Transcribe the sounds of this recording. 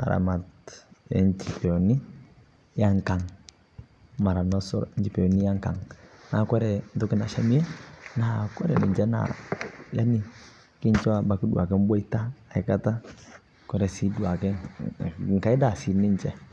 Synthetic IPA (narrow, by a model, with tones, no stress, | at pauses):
a̰˨ɾa̰˨ma˨tɛ̰˨˦ɲt͡ʃi˨pɛ˨ɔ˨ni˦ | ja˦ŋka˨ŋ | ma˨ɾa˨nɔ˦sɔ̰˦ɾɲt͡ʃi˨pɛ˨ɔ˨ni˦ja˦ŋka˨ŋna˨kɔ˦ɾɛ˨n̩˨tʊ˦kɛ˨na˨ʃa˦mi˦ɛ˦na˨kɔ˦ɾɛ̰˨nɪ̰˨ɲt͡ʃɛ˦na̰˨ja˦ni˦ | kɪ˦ɲ˦t͡ʃɔ˦a˨ba˨ki˦du˦a̰˨kɛ˦m˦bɔ˦i˦taː˦˨i˨ka˦ta˦ | kɔ˦ɾɛ˨si˦du˨a˨kɛ˦ŋ | ŋ̩˨ka˨˦i˦da˨si˨nɪ˦ɲt͡ʃɛ˨